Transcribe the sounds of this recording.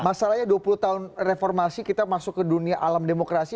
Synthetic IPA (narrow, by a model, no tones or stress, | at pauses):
masalahɲaduapuluht̪aʊnrefɔrmasikit̪amasʊkːəduniaʔalamdemokɾasi